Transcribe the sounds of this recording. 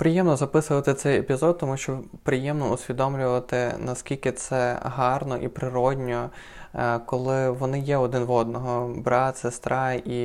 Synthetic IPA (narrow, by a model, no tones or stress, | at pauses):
pɾɪjɛmnɔzɐpɪsʊʋɐt̪ɪt̪sɛjepʲizɔd̪̚t̪ɔmuʃt͡ʃɔpɾɪjɛmnɔʊsʲʋʲid̪ɔmlʲʊʋɐt̪ɪnɐskʲilʲkɪt̪sɛɦɑrnɔʔḭpɾɪɾɔdʲnʲɔ | kɔlˠɪʋɔnɪjɛɔd̪ɪnʋɔd̪̚nɔɦɔbɾɑt̪sest̪ɾɑi